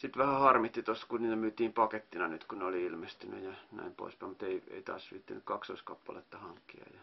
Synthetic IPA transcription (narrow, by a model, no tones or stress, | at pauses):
sit̪ʋæhæhɑrmiht̪ːit̪oskuniːt̪æmyːt̪iːmpɑket̪ːinɑnyt̪kuneoliilmest̪yny̰jɑnæ̰impo̰ˑispæimut̪eiḛit̪ɑ̰ːsʋḭːt̪ːænykkɑksoiskɑpːɑlḛt̪ːɑhɑŋkːiɑ̰jɑ